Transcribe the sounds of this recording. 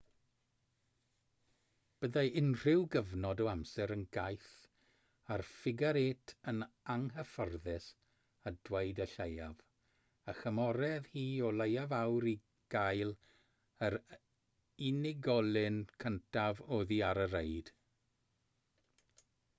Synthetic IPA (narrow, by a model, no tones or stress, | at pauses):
b̥əðaɪnr̥ɪwɡəvnɔdɔamsɛɾənɡajθ | arfɪɡaɾeːtʰən | aŋɦəfɔrðɪs | əd̥weɨdəɬejav | əxəmɔɾɛðhiːɔlˠejavawɾi | ɡ̥ajlˠ | əɾ | ɪnɪɡɔlˠɪnkʰəntʰavoːðiaɾəɾejd̥